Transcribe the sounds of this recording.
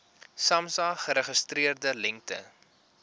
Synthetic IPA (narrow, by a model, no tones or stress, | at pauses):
sɐmsɑːχəɾəχəstriərdəlɛŋk̚tə̰